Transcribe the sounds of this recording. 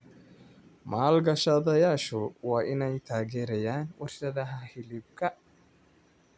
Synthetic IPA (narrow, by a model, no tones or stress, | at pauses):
maːlɡɐʃaðɐjaːʃɔwaːʔɪnɛjt̪ʰaːɡɛːɾɛjaːnwɔɾsɐðɐɦɐhɪlɪb̚kɐ